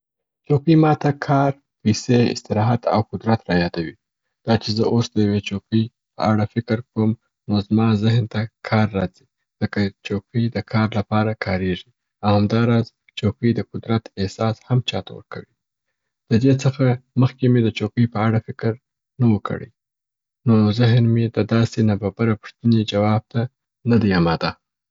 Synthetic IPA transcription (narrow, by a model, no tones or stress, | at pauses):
t͡ʃopimɑt̪akʰɑɾ | pəjseɪ̰st̪ɪɾɑɦat̪a̰wkʊd̪ɾat̪ɾɑjɑd̪awi | d̪̥ɑt͡ʃezəʔosd̪əjawet͡ʃopij | pə̰aɽafɪkɾkom | nozmɑzɪɦnt̪akʰɑɾːɑzi | ləkat͡ʃopid̪əkʰɑɾlapɑɾakʰɑɾeʐi | awhamd̪ɑɾɑz | t͡ʃokəjd̪əkʊd̪ɾat̪ɪhsɑshamt͡ʃɑt̪a̰wə̰ɾkawi | d̪̥əd̪et͡səxaməxkemed̪ət͡ʃokəjpəaɽafɪkɾ | nawəkʰə̰ɽə̰j | nozɪɦnmed̪əd̪ɑsenababaɾapʊ̥ʂt̪əned͡ʒawɑb̚t̪a | nad̪iamɑd̪a